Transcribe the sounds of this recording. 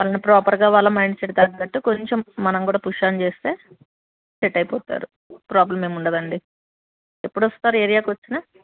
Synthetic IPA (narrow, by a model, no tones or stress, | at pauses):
ʋaːlɐnipɾɔːpɐɾɡaːʋaːɭːɐmɐjɳɖseʈːd̪ɐɡk̪ɐʈːukoɲt͡ʃe̞mːɐnɐmkuːɽaːpuʂaːnt͡ʃe̞ːst̪e̞ː | t͡ʃeʈːɐjpɔːt̪a̰ːɾu | pɾaːblɐmːeːmuɳɖɐd̪ɐɳɖi | e̞pːuɽʋost̪aːɾueːɾijaːkʋɐt͡ʃːinaː